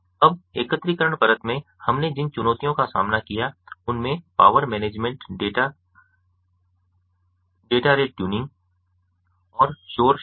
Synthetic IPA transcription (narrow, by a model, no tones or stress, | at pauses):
ɐb̚eːkət̪ːɾikəɾəɽ̃pɐɾət̪mẽhɐmned͡ʒɪnt͡ʃʊnɔːt̪ijõkasa̰ːmnakijaʊnmẽpa̰ːʋəɾmɛːneːd͡ʒmẽɳʈɖeʈa | ɖeːʈaɾeːʈʈjuːnɪ̃ŋɡ | ɔːɾʃoːɾ